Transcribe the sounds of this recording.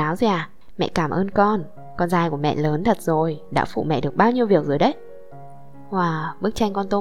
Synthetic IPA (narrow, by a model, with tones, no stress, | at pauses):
aː˨˦wzi˨ʔaː˨˩ | mɛ̰˧˨kaː˧˩mʔəː˧nkɔ˧n | kɔ˧nzaː˧jku˧˩əmɛ̰˧˨ləː˨˦nt̪ʰə˨˩t̚zo˨˩jɗa̰ː˧˥fṵ˧˨mɛ̰˧˨ɗɨ˨˩ək̚ɓaː˧wɲi˧əwvi˨˩ək̚zo˨˩jɗə˨˦j | ʔwaː˨˩ɓɨ˦˥k̚t͡ɕa˧jŋ̟kɔ˧nt̪o˧